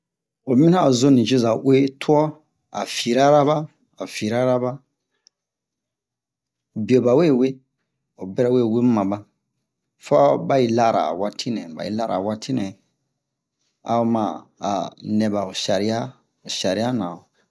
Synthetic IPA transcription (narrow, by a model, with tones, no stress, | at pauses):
o˨mĩ˦na˦˨zo˦nĩ˨d͡ʒi˦za˨ʔwe˦tʰu˦ɔ˦ | a̰˨fi˨ɾa˦ɾa˦ba˦ | a˨fi˨ɾa˦ɾa˦ba˦˨ | bi˨o˨ba˨we˦˨we˦ | o˨bɛ˦ɾɛ˦we˦˨we˦mã˨ba˦ | fa˦ba˦ji˦la˦ɾa̰˨wa˦tʰi˦nɛ̃˨ba̰˨jḭ˦la˦ɾa̰˨wa˦tʰi˦nɛ̃˨ | a̰˨o˦mã˨a̰˨nɛ̃˨ba˨o˨ʃa˨ɾi˦a˦ | o˨ʃa˨ɾi˨˦a˦nã˨o˨